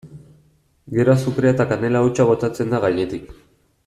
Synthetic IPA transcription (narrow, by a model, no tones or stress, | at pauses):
ɡe̞ɾoasukɾeat̪akane̞laot͡ʃaɣo̞t͡s̪at͡se̞nd̪aɣajʎe̞t̪ik